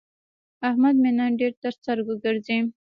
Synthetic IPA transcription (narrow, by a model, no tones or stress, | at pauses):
ahmad̪menaɖeɾt̪əɾst̪aɾɡəɡəɾzi